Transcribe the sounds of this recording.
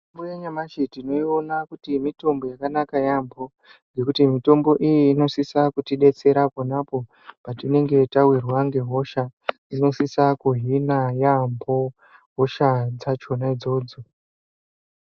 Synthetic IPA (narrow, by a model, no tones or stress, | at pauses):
tombojeɲamaʃitino̞io̞nakutimito̞mbo̞jakanakajambo̞ | ŋɡe̞kutimito̞mbo̞ʔijiːno̞sisakutiɗe̞t͡se̞ɾaponapo̞ | patine̞ŋɡe̞tawirwaŋɡe̞ɦo̞ʃa | ino̞sisakuɦinajambʱo̞ | ɦoʃad͡zat͡ʃo̞naid͡zo̞ːd͡zo̞